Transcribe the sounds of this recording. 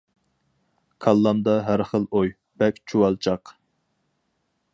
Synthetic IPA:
kʰɑlˠːɑmd̪ɑɦæɾχəlˠoj | b̥ɛkʲt͡ʃʰuwɑlˠt͡ʃʰɑq

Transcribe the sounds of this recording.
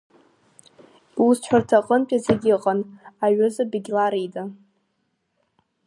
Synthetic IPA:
usħʰʷᶣartʰaqʼənpʲʼazeɡʲɪqʼanaɥʏzabiɡʲlaɾidʼa

